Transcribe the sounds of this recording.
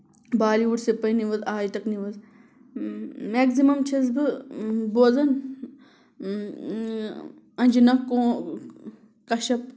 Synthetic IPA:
baːliuʈsepɐjniʋɐzaːjt̪ɐkniʋɐz | meːɡzimɐmt͡ʃʰɐz̬bɨboːzɐn | ɐnʲd͡ʒinɐkːõː | kɐʃɐp̚

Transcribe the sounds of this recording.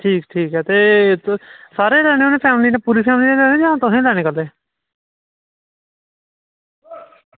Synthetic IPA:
ʈʰiːkʈʰiːkɦɛːt̪eː | saːɾeːlɛːɽ̃ẽːoːnẽːpʰɛːmliːnẽːpuːɾiːpʰɛːmliːnẽːlɛːẽːd̪ãt̪ʊɦẽːlɛːñeːkəld̪eː

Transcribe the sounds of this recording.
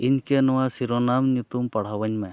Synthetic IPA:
ɪnkenɔʋasiɾonaːmnut̪umpɐɽ̤aʋəɲmẽ

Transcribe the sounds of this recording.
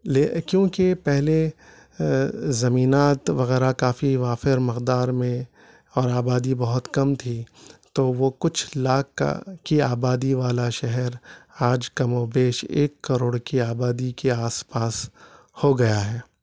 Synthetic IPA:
lekjõːkepɛɦle | zɐmiːnaːt̪ʋɐɣɛːɾakaːfiʋaːfɪɾmɪqd̪aːɾmẽ | ɔːɾaːbaːd̪ibɐɦʊt̪kɐmt̪ʰit̪oʋokʊt͡ʃʰlaːkkiaːbaːd̪iʋaːlaʃɛɦɛɾaːd͡ʒkɐmobeːʃḛːkːɐɾoːɽkiaːbaːd̪ikeaːspaːs | hoɡɐjaɦɛː

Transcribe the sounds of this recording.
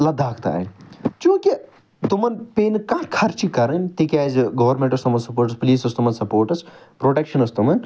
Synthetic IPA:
lɐd̪ʱaːkʰt̪a̰ːt͡ʃũːki | t̪umɐnpeːnkaːʈkʰɐɾt͡ʃikɐɾənt̪ikɛːzɡɐʋɐɾmẽɳʈɐst̪umɐnsɐpoːɾʈɐspɐliːsɐst̪umɐnsɐpoːɾʈɐs | pɾoːʈekʃɐnɐst̪umɐn

